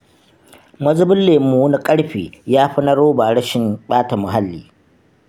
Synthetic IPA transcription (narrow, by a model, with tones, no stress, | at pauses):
mɐ˦zʊ˦bɪ˦nleː˨˦muː˨˦wni˦kʼɐ˦ɽɸḛː˨jaː˦ɸɪ˦nɐ˦ɽoː˦baː˨ɽɐ˦ʃɪ˨mɓaː˦ta˨mʊ˨ɦa˦lːḭː˨